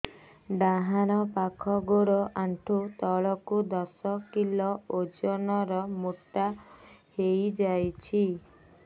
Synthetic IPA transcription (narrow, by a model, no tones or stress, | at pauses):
ɖaɦaɾɔpakʰɔɡoɽɔʔaɳʈʰut̪ɔɭɔkud̪ɔsɔkilɔod͡ʒɔnɔɾɔmuʈːahejd͡ʒajt͡ʃʰi